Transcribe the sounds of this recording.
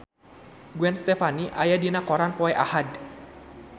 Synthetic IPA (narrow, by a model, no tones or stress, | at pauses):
ɡuɛnst̪ɛfaniʔajadinakɔɾanpɔɛʔa̰had